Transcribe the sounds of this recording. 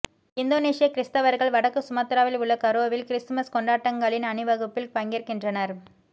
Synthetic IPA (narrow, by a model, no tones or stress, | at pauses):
ɪnd̪oːneːsɪjɐkɪɾɪst̪ɐʋɐɾɣɐɭʋɐɽɐkːɯsʊmɐt̪ɾaːʋɪlʊɭːɐkɐɾoːʋɪlkɪɾɪsmɐskɔɳɖaːʈːɐŋɡɐɭɪnɐnɯʋɐɣɯpːɪlpɐŋɡɪɾkɪndrɐnɐɾ